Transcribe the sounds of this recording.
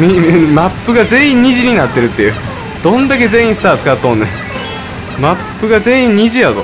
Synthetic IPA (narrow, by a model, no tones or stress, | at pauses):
mimapːɯɡaze̞ĩɲ̟iʑiɲ̟inat̪ːe̞ɾɯ̟t̪ːejɯː | d̪̥õ̞nd̪ak̬e̞zẽ̞ĩsɨ̥t̪aːt͡sɨ̥kat̪ːõːnːe | mapːɯ̟ɡaze̞ːĩɲ̟iʑijazo̰